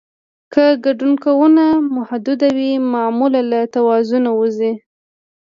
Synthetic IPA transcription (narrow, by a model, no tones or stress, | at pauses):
kəɡaɖunkawunamʊhad̪ʊd̪awimɑmulalat̪awɑzunawuzi